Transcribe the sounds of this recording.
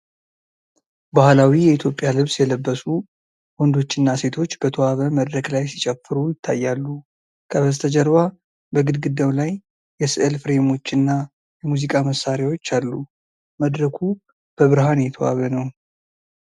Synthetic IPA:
bahlawijɛit̪ʰjo̞pʼːjalɨβsjɛləbːəsu | wɔnd̪o̞t͡ʃːɨnːase̞t̪ʰo̞t͡ʃːb̥ət̪ʰowaβəməd̪ɾəklajsi̥t͡ʃʼɛfɨɾujɪt̪ʰːajːalːu | kʰəβəst̪ʰəd͡ʒəɾβa | bəɡɨd̪ɡɨd̪ːəwlajː | ɛsɨʔɨlfɨɾe̞mo̞t͡ʃːɨnːa | jɛmuzikʼaməsːaɾjawo̞t͡ʃːalːu | məd̪ɾəkʰu | b̥əβɨɾhanjɛt̪ʰəwa̰βənəw

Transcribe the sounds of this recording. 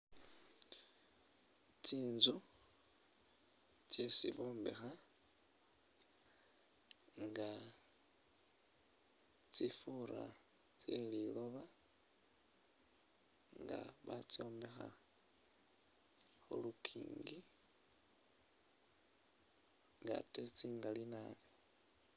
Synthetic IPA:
t͡siːnzu | t͡sje̞siβoːmbḛxa | ŋɡa | t͡sifuɾa̰t͡selilo̞βa | ŋɡa̰βat͡sio̞ːmbexa̰ | xolukʰḭːŋɡi | ŋɡa̰tet͡siːŋɡalinale

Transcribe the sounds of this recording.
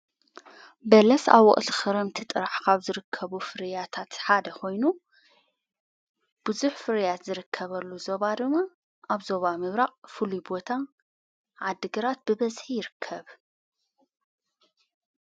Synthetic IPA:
bɐlɐsa̰βɔ̰χʼlxɨɾɐmt̪ʰɨt̪ʼɨɾaħkʰaβzɨɾɨkʰːɐβufɨɾjat̪ʰat̪ħad̪ɐkʰo̞jnu | b̥ɨzuħfɨɾjat̪zɨɾɨkʰːɐβɐlːuzo̞βad̪ɨmːa | ʔaβzo̞βamɨβɾaχʼfɨlubo̞t̪ʰa | ʕad̪ːɨɡɐɾat̪̚bɨβɐzħijɪɾɨkʰːɐβ

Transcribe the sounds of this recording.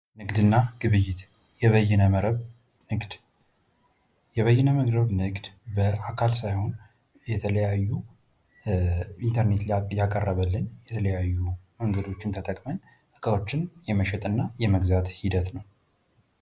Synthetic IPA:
nɨɡd̪ɨnːaɡ̥ɨβɨjːɪt̪ | jɛβəjːɛnəməɾəβ | nɨɡd̪ | jɛβəjːɛnəməɡɾəβnɨɡd̪bəakʰalsajho̞n | jɛt̪ʰələjajːu | int̪ʰəɾne̞t̪jakʼərːəβəlːɨnjɛt̪ʰələjajːuməŋɡəd̪o̞t͡ʃːɪnt̪ʰət̪ʼəkʼmən | ʔɨkʼəlo̞t͡ʃːɪnjɛməʃɛt̪ʼɨnːajɛməɡzat̪hid̪ət̪nəw

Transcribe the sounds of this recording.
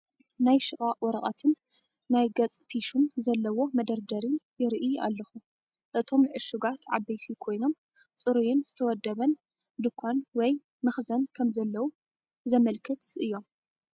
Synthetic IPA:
najʃɨχʼaʔwɔɾɐχʼɐ̰t̪ʰɨnː | ajɡɐt͡sʼt̪ʰiʃumzɐlːɐwo̞mɐd̪ɐɾd̪ɐɾinjɪɾʔia̰lːɐxu | ʔɨt̪ʰo̞mʕɨʃɨɡat̪ʕabɐjsʰikʰo̞jno̞m | t͡sʼɨɾujɪnz̥ɨt̪ʰɐwɔd̪ːɐβɐn | d̪ɨkʰːanwɔj | mɨxzɐnkʰɐmzɐlːɐwu | zɐmɐlkʰɨt̪ʔɨjːo̞m

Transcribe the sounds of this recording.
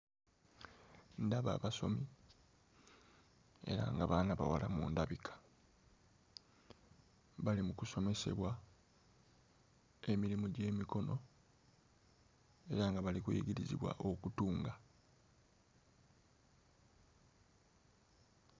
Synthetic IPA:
ndaβa̰βaso̞̰mi | e̞̰ɾa̰ŋɡaβaːnaβa̰walamṵːndaβikʰḁ | βalimukuso̞me̞se̞̰βwa | e̞miɾimuɟe̞ːmiko̞no̞ | e̞ɾaŋɡaβalikwḛːɟiɾizḭβwa̰ʔo̞kutuːŋɡa

